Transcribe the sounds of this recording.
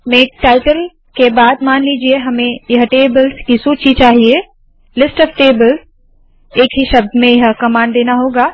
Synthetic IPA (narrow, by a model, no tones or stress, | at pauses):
mẽːʈaːɪʈəl | kebaːd̪maːnliːd͡ʒieɦɐmẽjɐɦʈeːbəlskisut͡ʃʰit͡ʃaːɦie | lɪsʈɔːfʈeːbəlz | eːkɦiʃɐb̚d̪mẽjɐɦkɐmaːnd̪eːnaɦoːɡaː